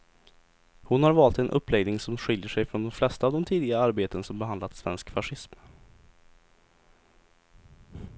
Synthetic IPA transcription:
hʊnhaɾvɑːlt̪ɛnʔɵ̰pːlɛɡnɪŋsɔmɧɪljəʂɛjfɾɔnd̪ɔmflɛst̪aːvd̪ɔmt̪ʰiːd̪ɪɡaəaɾbeːt̪ənsɔmbɛand̪lat̪svɛ̰nskfaʂɪsm

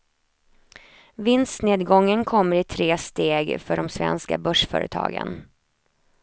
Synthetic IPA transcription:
vɪnst̪neːd̪ɡɔŋːənkʰɔmːəɾɪt̪ʰɾeːst̪eːɡfœɖɔmsvɛ̰nska̰bœʂfœ̰ːɾət̪ʰɑ̰ːɡə̰n

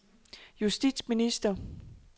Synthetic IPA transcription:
jusd̥ḭd̥sminisd̥ɐ

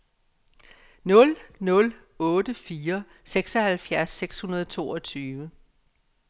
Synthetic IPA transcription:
nɔ̽lnɔ̽l | ɔ̽ːd̥əfiːɐ | seɡ̥sɒhælfjæɐsːeɡ̥shunɐð̞ˠt͡sʰo̝̰ːɒ̽t͡sʰyːʋə

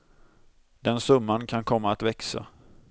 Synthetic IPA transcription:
d̪ɛnsɵmːankʰankʰɔmːaːt̪vɛksa̰

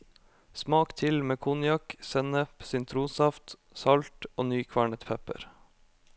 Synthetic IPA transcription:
smɑːkt̪ʰɪlmeːkʰunjɑksɛnəpsʏnt̪ʰɾuːsɑft̪ | sɑlt̪oːnyːkʰʋɑːɳət̪pʰɛpə̰ɾ

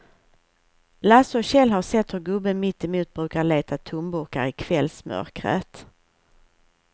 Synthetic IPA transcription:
lasɔɕɛlɦaɾsɛt̪ːhɵɾɡɵbːəmɪt̪ːɛmuːt̪̚bɾʉ̟ːkaɾɭeːt̪ʰat̪ʰʊmbʊɾka̰ɾɪkʰv̥ɛlsmœ̰ɾkɾə̰t̪

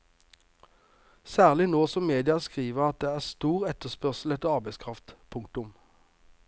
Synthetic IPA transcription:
sæːʁlɪnoːsɔmmeːd̪ɪɑskʁiːʋəʁɑt̪̚d̪eːæːʁst̪uːʁɛt̪əspœʁsl̩ɛt̪ːəɑʁbæɪskʰʁɑft̪pʰʊŋk̚t̪ʊm

